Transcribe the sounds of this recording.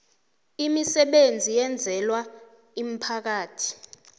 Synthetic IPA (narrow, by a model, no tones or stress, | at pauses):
imisɛɓend͡zʱijɛnd͡zʱɛlwa | im̩pʰak̬aːtʰi̥